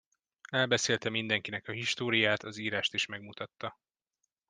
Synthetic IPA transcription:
ɛlbɛseːlt̪ɛmind̪ɛŋkinɛkɒɦiʃt̪oːɾijaːt̪ʰɒziːɾaːʃt̪iʃmɛɡmut̪ɒt̪ːɒ

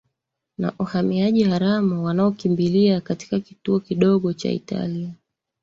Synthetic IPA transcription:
na̰ʔuhamiaʄihaɾamuwanaɔkimbiliakati̥kakituɔkiɗɔɠɔt͡ʃa̰ḭta̰lia

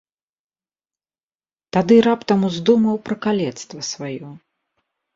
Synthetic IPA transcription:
t̪ad̪ɨɾapt̪ɐmuzd̪umɐwpɾɐkalʲɛt̪st̪vɐsvajɔ

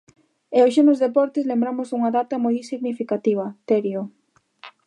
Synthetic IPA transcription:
eoʃ̬enʊzðepɔɾt̪ɪzlembɾamʊzðuŋɐðat̪ɐmojsiɣnifikat̪iβ̞ɐt̪eɾjo

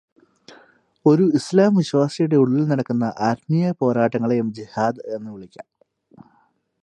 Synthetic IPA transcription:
o̞ɾuislaːmʋiɕwaːsɐjuɽe̞uɭːilnɐɽɐkːunːɐʔaːɾmijɐpo̞ːɾaːʈːɐŋːɐɭe̞jumd͡ʑihaːd̪e̞nːɨʋiɭikʲːa̰ːm

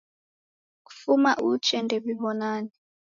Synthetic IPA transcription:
k̬u̥fumaʔut͡ʃʰʼɛndʱɛβiβɔnaːni

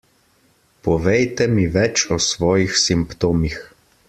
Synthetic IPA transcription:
pɔʋɛjt̪ɛmiʋɛt͡ʃɔsʋɔːjixsimpt̪oːmix

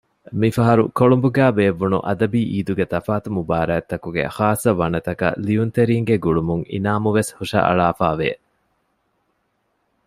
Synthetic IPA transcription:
mifɐɦɐɾukoɭumbuɡæːbeːʋːunṵʔɐd̪ɐbiːʔiːd̪uɡet̪ɐfaːt̪umubaːɾɐːt̪ːɐkuɡḛxaːsːɐʋɐnɐt̪ɐkɐ̰liunt̪eɾiːŋɡeɡuɭumuŋḭnaːmuʋeshuʂɐ̰ʔɐ̰ɭaːfaːʋḛ

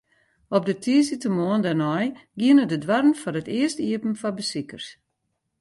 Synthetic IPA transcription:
ɔp̚dətʰiəsitəmoəndanɔjɡiənədədwaɾənfɔɾətɪəstiəpn̩fɔbəsikərs

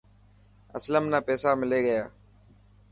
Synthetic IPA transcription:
əsləmnaːpɛːsaːmɪleːɡəjaː

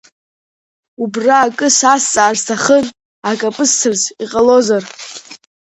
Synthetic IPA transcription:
ubraːkʼɨsast͡sʼaːztʰaχən | akʼapʼɨstʰɨrziqʼalo̞zar

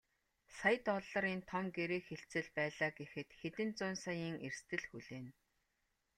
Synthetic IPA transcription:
sajt̪ɔɮːə̆ɾiːnt̪ʰɔmɡeɾeːxeɬt͡sɘ̆ɮpæːɮaːɡexɘ̆t̪xet̪ɘ̆nt͡sʊːnsajiːŋerst̪ɘ̆ɮxuɮeːn

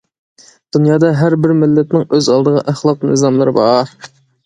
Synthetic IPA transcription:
d̪̥unjɑːd̪ɑɦæɾbɪɾmɪlːɛt̪nɪŋøzɑlˠd̪əʁɑʔæχlˠɑq̚nɨ̰zɑmlˠɨɾɨbɑɾ

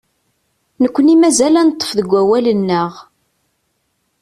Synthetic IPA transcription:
nəkʷːənimæzælænt̪ˤːə̥fðəɡʷːæwælənːəʁ

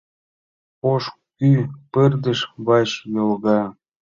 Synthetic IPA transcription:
oʃ | kypərd̪ə̆ʃβɑʃjolɣɑ

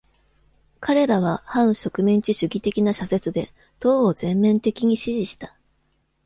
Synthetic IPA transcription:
kaɾe̞ɾaβ̞ahãɰ̃ɕo̞kɯ̟mẽɲ̟t͡ɕiɕɨɡʲit̪e̞kʲinaɕase̞t͡sɨd̪e̞ | t̪o̞ːozẽ̞mːẽ̞nt̪e̞kʲiɲ̟iɕiʑiɕi̥t̪ḁ

